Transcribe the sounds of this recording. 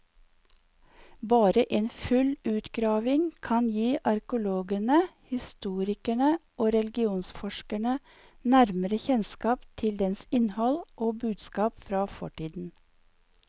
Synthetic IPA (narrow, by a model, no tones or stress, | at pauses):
bɑːɾəʔeːnfʉlʉːt̪ɡɾɑːʋɪŋkʰɑnjiːʔɑɾkʊloːɡəɳəhɪst̪uːɾɪkæɳəʔoːɾɛlɡɪuːnsfɔʃkəɳə | næɾməɾəçɛnskɑːpt̪ʰɪld̪ɛnsɪnhɔlʔoːbʉːd̪skɑːpfɾɑːfɔʈiːd̪n̩